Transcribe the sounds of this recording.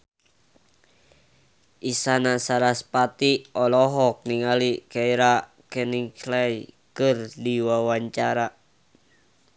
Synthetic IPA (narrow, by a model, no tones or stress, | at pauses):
ʔisanasaɾaspat̪iɔlɔɦɔk̚niŋalikaiɾa | kɛniŋklajkɨrdiwawaɲt͡ʃaɾa